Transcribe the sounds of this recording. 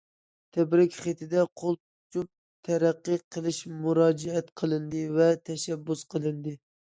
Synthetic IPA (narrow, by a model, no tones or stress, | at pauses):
t̪ʰæbɾɪkʲχet̪ʰɪd̪ɛqʰolˠ | t͡ʃʰup̚ | t̪ʰæɾæqːɨqʰəlˠɪʃmuɾɑːd͡ʒɛɛt̪qʰəlˠɨnd̪ɨvɛt̪ʰɛʃɛbːusqʰəlˠɨnd̪ɨ